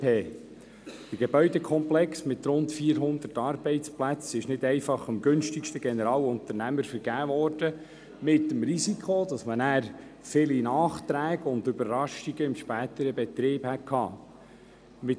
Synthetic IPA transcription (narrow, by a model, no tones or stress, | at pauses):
eː | d̥əɡ̥ebœʏdɛkʰɔmplɛksmɪt̪ɾʊntfiːəɾɦʊnd̪ətɑːɾbɛɪtt͡splæt͡sɪʃnɪdɛɪfɑχəmɡɵnʃtikʃtəɡɛnəɾɑːwʊnt̪əɾnæməɾfəɾɡ̥æːvɔːɾd̥ə | mɪtːəmɾizikʰod̥ɑsmənæːɾ | fɪlinɑːχt̪ɾæːɡəʊnd̪ʏbəɾrɑʃiɡ̥əɪmʃpæːt̪əɾəbɛt̪ɾɪːb̥hæt̚kʰhɑ̰ː | mɪ